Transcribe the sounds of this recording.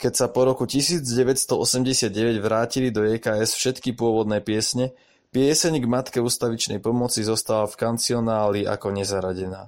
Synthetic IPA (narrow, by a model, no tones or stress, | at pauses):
kɛcsapɔɾɔkucisiːd͡zɟɛʋɛcst̪ɔɔsɛmɟɛsɪad̪̚ɟɛʋɛɟʋɾaːcilid̪ɔɛːkaːɛsfʃɛt̪kipʊɔʋɔd̪nɛːpɪɛsɲɛ | pɪɛsɛɲɡmat̪kɛuːst̪aʋit͡ʃnɛ̰jpɔmɔt͡sizɔst̪alafkant͡siɔnaːliʔa̰kɔɲɛzaɾaɟɛna̰ː